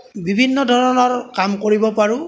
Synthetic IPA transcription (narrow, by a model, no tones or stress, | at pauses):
bibʱinːɔdʱɔɹɔnɔɹkamkoɹibɔpaɹʊ